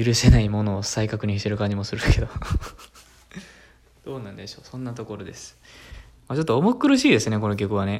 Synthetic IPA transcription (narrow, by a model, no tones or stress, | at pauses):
jɯɾɯ̟se̞naimo̞no̞ːsaikakɯ̟ɲ̟içit̪e̞ɾɯkãɲ̟d͡ʑimo̞sɨɾɯ̟akʰe̞d̪o | d̪̥o̞ːnãnd̪e̞ɕo̞ːsõ̞nːat̪o̞ko̞ɾo̞d̪e̞sɨ̥ | mat͡ɕo̞t̪ːoːmokːɯ̟ɾɯ̟ɕiːd̪e̞sɨne̞ko̞no̞k̬ʲo̞kɯ̟β̞ane